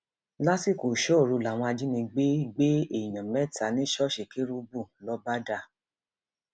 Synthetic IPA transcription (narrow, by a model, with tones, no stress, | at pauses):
la˦si˦˨ko˨ʃɔ˦˨ɾu˧la˨w̃ɔ̃˧a˧d͡ʒi˦nĩ˧ɡ͡be˦i˦ɡ͡be˦e˦˨i˨j̃ã˨mɛ˨˦ta˨˦nĩ˦ʃɔ˦ʃe˨ke˦ɾu˦bu˦˨lɔ˦ba˦da˧˨